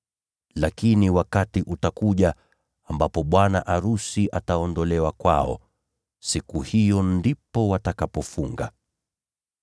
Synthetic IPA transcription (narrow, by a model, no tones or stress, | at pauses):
lakiniwakatiʔutakuʄa | ambapɔɓwanaʔaɾusiʔataɔndɔlɛwakwa̰ɔ̰ | sikuhijɔndipɔwatakapɔfuŋɡa̰